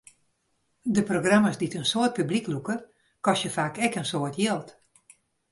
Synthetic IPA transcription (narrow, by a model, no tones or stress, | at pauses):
dəproɡramasditənsoət̚pybliklukə | kɔsjəfaːkɛkənsoətʰjɪlˠt